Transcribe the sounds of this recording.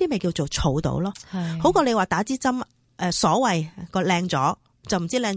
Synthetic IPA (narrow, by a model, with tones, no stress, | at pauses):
iː˥me˨jkiː˧wt͡so˨wt͡sʰo˨˧wt̪o̰˨˥wlɔː˥ho˨˥wkɔː˧le˨˧jwaː˨˩t̪aː˨˥t͡siː˥t͡sɐ˥m | ʔɛː˨˧sɔː˨˥wɐ˨jkɔː˧lɛː˧ŋt͡sɔ̰ː˨˥ | t͡sɐ˨˩wm̩˨˩t͡siː˥lɛː˧ŋ